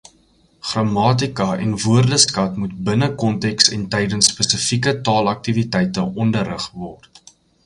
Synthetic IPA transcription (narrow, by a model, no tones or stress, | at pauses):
χrɑmɑːt̬ikɐɛ̰nvuərdəskɐtmutbənəkɔntɛksɛntɛjdənsːpəsəfikətɑːlɐk̚tivitɛjtəʔɔndəɾəχvɔrt